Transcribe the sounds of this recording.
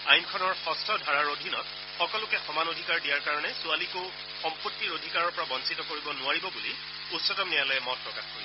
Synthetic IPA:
ajnkʰɔnɔɹxɔstʰɔdʱaɹaɹodʱinɔ̰t | xɔkɔlʊkɛxɔmanodʱikaɹdijaɹkaɹɔnɛsʊaliko | xɔmputːiɹodʱikaɹɔɹpɔɹabɔnsitɔkoɹibɔnʊaɹibɔbuli | utsɔtɔmnijalɔjɛmɔt̚pɹɔkaxkoɹi

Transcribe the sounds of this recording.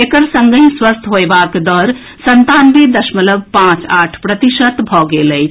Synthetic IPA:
ekəɾsə̃ŋɡəĩswəst̪ʰɦoebakd̪ɔɾ | sənt̪anbid̪əʃmələbpãt͡ʃaʈʰpɾət̪iʃət̪bʱɔɡeləj

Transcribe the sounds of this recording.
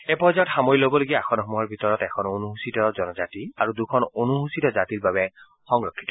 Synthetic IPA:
epɔzɔtxamɔjlobɔloɡiaakʰɔnxɔmuɦɔɹbʱitɔɹɔtɛkʰɔnonuɦusitɔzɔnɔzatiaɹudukʰɔnonuɦusitɔzatiɹbabɛ | xɔŋɹokʰːi̥tɔ

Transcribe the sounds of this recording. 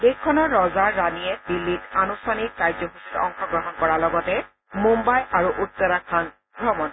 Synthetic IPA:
dekkʰːɔnɔːɔzaɹːanijɛbilːitanusanik̚kajzɔɦusitɔ̰ŋxɔɡɹɔɦɔnkɔɹalɔɡɔtɛ | mumbajaɹuʔut̪ːɔɹakʰan | ɡɹɔmɔn

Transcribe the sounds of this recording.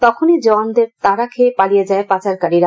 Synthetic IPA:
t̪ɔkʰonid͡ʒɔnd̪eɾt̪aɾakʰepalijed͡ʒaepat͡ɕaɾkaɾiɾa

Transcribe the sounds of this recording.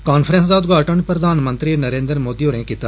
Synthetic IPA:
kaːnpʰɾə̃nsd̪aːd̪ɡaːʈəɳpɾəd̪ʱaːnmə̃nt̪ɾinəɾẽːnd̪ɾmoːd̪iːoːɾẽːkiːt̪aː

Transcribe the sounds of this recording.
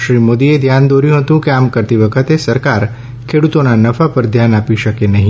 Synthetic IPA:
ʃɾimod̪ied̪ʱjand̪oɾjũɦət̪ũkeamkəɾt̪iʋəkʰət̪esəɾkaɾ | kʰeɽut̪onanəfapəɾd̪ʱjanapiʃəkenəɦĩ

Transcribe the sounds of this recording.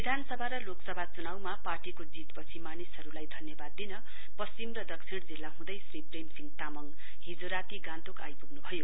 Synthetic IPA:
bid̪ʱanʌsʌbʱaɾʌloksʌbʱat͡sunawmaparʈikod͡zit̪pʌt͡sʰimanisʌɾulajd̪ʱʌnjʌbad̪ːinʌ | pʌst͡simrʌd̪ʌksʰiɽd͡zilːaɦũd̪ʌjsripremsiŋɡt̪amʌŋ | ɦid͡zoɾat̪iɡãnt̪oka̰jpuɡnubʱʌjo

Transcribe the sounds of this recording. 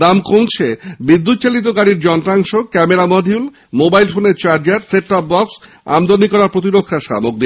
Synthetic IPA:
d̪amkow̃t͡ɕʰebid̪ːut̪̚t͡ɕalit̪̬oɡaɽiɾd͡ʑɔnt̪ɾaŋʃokɛmeɾamɔd̪ʱiul | mobajlfoneɾt͡ɕaɾd͡ʑaɾseʈɔp̚bɔks | a̰md̪onikɔɾaɾpɾot̪̬iɾokʰːaʃa̰moɡ̚d̪i

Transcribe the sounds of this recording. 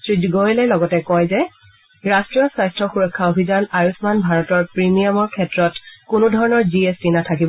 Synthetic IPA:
sɹidɡojlɛjlɔɡɔtɛkɔjzɛ | ɹastɹijɔsajstɹɔxuɹɔkʰːaobʱizanaɹusmanbʱaɹɔtɔɹpɹimijamɔɹkʰɛtɹɔtkʊnʊdʱɔɹɔnɔɹziestinatʰakibɔ

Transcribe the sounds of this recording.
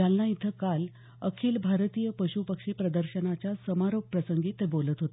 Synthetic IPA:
alːait̪ʰːəkal | əkʰiːlbʱaɾt̪iːjəpəɕupəkʂiːpɾəd̪əɾɕənat͡ɕjasəmaɾop̚pɾəsəŋɡiːt̪ebolət̪ɦot̪

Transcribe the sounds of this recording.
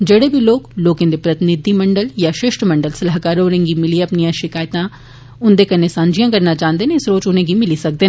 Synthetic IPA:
d͡ʒɐɽebʱiloːɡloːkẽnd̪epɾɐt̪ɪnɪd̪ʱːimɐ̃ɳɖəljaʃɪʃʈʰmɐ̃ɳɖəlsɐlaɦkaːɾoːɾẽŋɡimɪlieɐpnijãʃɪkaːjt̪ã | ʊnd̪ekɐnesãːɲd͡ʒijãkɐɾnat͡ʃãːnd̪enẽɪsɾoːt͡ʃʊnẽɡimɪlisɐk̚d̪eː

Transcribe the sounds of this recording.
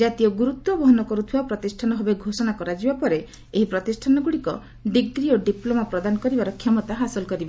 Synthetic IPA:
d͡ʒat̪iɔɡuɾut̪wɔbɔɦɔnɔkɔɾut̪ʰibapɾɔt̪isʈʰanɔɦɔbeɡʱosɔnakɔɾad͡ʒibapɔɾe | eɦipɾɔt̪isʈʰanɔɡuɽikɔ | ɖiɡ̚dɾioɖiplomapɾɔd̪anɔkɔɾibaɾɔkʰjɔmɔt̪aɦasɔlɔkɔɾibe

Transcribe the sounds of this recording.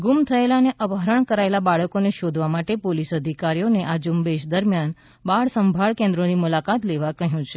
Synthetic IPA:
ɡumt̪ʰəelaneʔəbəɾəɳkəɾaelabaɭəkoneʃod̪ʱʋamaʈepolisəd̪ʱikaɾijoneʔad͡ʒumbeʃd̪əɾmjan | baɭsəmbʱaɭkẽnd̪ɾonimulakat̪leʋakəɦjũt͡ʃʰe̥

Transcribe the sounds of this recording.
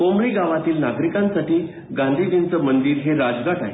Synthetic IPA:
komɾiɡaʋat̪iːlnaɡɾikãnsaʈiː | ɡãnd̪ʱid̪int͡səmənd̪iːɾɦeɾad͡zɡaʈa̰ɦe

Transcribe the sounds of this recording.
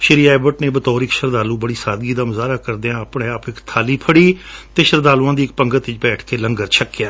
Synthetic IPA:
ʃɪɾiːaːbəʈneːbət̪ɔːɾɪkʃəɾd̪aːluːbəɽiːsaːd̪ɡiːd̪aːməzaːɾaːkəɾd̪eãːəpɳẽːaːpɪkt̪ʰaːliːpʰəɽiːt̪eːʃəɾd̪aːluːãːd̪iːɪk̚pəŋɡət̪ɪt͡ʃbɛːʈʰkeːləŋɡəɾt͡ʃʰəkːjaː

